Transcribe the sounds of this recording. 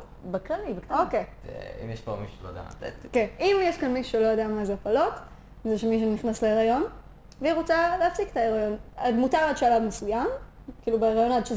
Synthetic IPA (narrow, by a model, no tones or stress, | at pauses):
beklalibekt̪aokejḭmjeʃpo̰mḭʃu̥ʃelo̰j̰d̪ḛa̰kenimjeʃkanmiʃuʃelojodeamazeapalo̞t | zeʃemiʃ̬uniχnasleeʁajo̞n | veiʁot͡saleafsiketaeʁajo̞nadmutaʁad̪ʃealavmesujamkiːlubeeʁajo̞nad̪ʃe